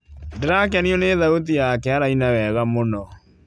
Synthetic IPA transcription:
dɾak̬aniɔneðautijakɛaɾainawɛːɣamonɔ

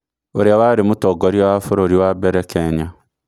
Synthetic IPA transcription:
oɾeawaɾemotɔɡɔɾiɔwafoɾoɾiwabɛɾɛkɛɲa

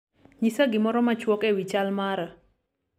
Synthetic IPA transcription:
ɲisaɡɪmɔɾɔmat͡ʃwɔkɛwit͡ʃalmaɾa

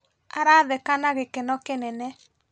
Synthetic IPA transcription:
aɾaːðɛkanaɣekɛnɔkenɛnɛ

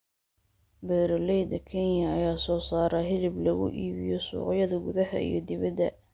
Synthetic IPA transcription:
bɛːɾɔlɛjd̪ɐkʰɛnjjɐːjaːsɔːsaːɾɐɦɪlɪblɐɣʊ̰ʔiːβɪ̰jɔsṵːqjɐðɐɡʊðɐhɐ̰ḭjɞ̰d̪ɪβɐd̪ɐ̰

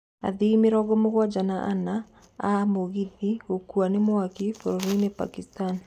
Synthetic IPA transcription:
a̰ðimeɾɔɣɔmoɣwad͡ʒanaʔa̰na | amoɣiðiokuanemwakifoɾoɾoinepa̰kistan

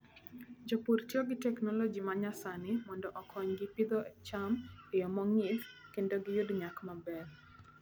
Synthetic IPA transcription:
d͡ʒopuɾtjɔɡɪtɛknɔlɔd͡ʒimaɲasanɪmɔndɔʔɔkʰɔɲɡɪpid̪ɔt͡ʃamejɔmɔŋɪd̪kendoɡɪjʊdɲakmabɛr

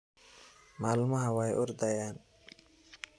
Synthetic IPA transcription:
maːlumaɦawajʔuɾd̪ajan

